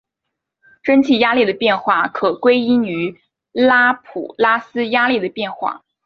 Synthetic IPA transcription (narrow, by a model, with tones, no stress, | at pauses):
ʈ͡ʂə˥nt͡ɕʰi˥˩ja˥li˥˩d̪ə˩pjɛ˥˧nxwa˥˩kʰɤ˨˩kwe˥ɪi˥ny˧˥ | la˥pʰṵ˨˩la˥sɹ̩˥ja˥li˥˩d̪ə˩pjɛ˥˧nxwa̰˥˩